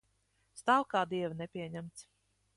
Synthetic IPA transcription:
st̪awˠkaːd̪iɛvnɛpʲiɛɲæmt̪s

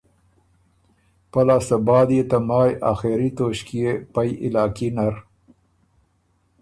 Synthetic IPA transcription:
pɐlaːsabɑːd̪ijet̪amɑːja̰ːxeɾit̪oːɕkijepajʔɪ̰lɑːkinaɾ

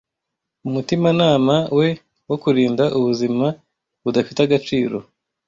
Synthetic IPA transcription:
umutimanaːmawe̞ | wo̞kuɾiːndaʔuβuzima | βudafitaɡat͡ʃiːɾo̞̰

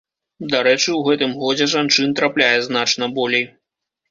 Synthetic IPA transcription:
d̪aɾɛt͡ʂɨwɣɛt̪ɨmɣɔd͡zʲɛʐant͡ʂɨnt̪ɾaplʲajɛznat͡ʂnɐbɔlʲej

